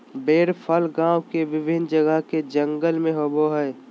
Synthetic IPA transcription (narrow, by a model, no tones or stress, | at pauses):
beːɾpʰəlɡãːwkeʋɪbʱɪnd͡ʒəɡəɦked͡ʒə̃ŋɡəlmẽɦoboɦɛː